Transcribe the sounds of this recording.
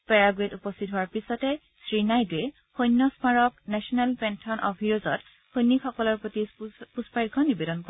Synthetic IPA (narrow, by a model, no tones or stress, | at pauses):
pɛɹaɡɹetupɔstʰit̚ɦʊwaɹpisɔtɛ | sɹinajtuɛ | xojnːɔsmaɹɔknɛsɔnɛlpɛntʰɔnʔɔbʱiɹozɔt | hojnːixɔkɔlɔɹpɹotipuspajkʰɔnibedɔnkɔ